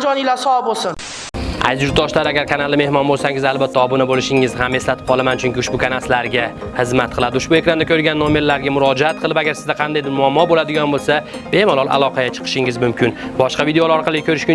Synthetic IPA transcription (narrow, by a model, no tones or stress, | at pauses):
d͡ʒɒnilaɾsɒabolsɪn | a̰jzʊɾɒʃlaɾaɡʲaɾkʰanalˠd̪ɪme̞hmɒnbolsaŋɪzalbat̪ʰːaɒbʊnabolɪʃɪŋɪzhame̞slat̪ʰɪp̚qʰɒlˠamant͡ʃʰʊŋkʲɪʊʃbʊkʰanaslaɾɡʲa | hɨzmat̪̚qʰɨlˠad̪ɪʊʃbʊekʲɾand̪akʰɵɾɡʲanːomelːaɾɡʲamʊɾɒd͡ʒaat̪̚qʰɨlˠɪpaɡʲaɾsɪzd̪aqʰɑnd̪ajd̪ɪɾmʊamːɒbolad̪ɪɡʲɒnbolˠsa | b̥e̞malɒlˠʔa̰lˠɒqʰɑɡʲat͡ʃʰɨ̥qʰɨ̥ʃɪŋɪzmʊmkʲʰɪnbɒʃqɑvid̪eolaɒɾqʰɑlˠɪkʰʲɵɾɪʃkʲʊ